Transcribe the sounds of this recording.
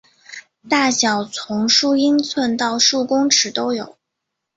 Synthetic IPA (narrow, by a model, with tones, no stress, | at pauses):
t̪a˥˩ɕjɑ˨˩ʊt͡sʰʊ˧˥ŋʂu˥˩i˥nt͡sʰwə˥˧nt̪ɑ˥˧ʊʂu˥˩kʊ˥ŋʈ͡ʂʰɻ̩˧˥t̪o˥ʊjo˨˩˦ʊ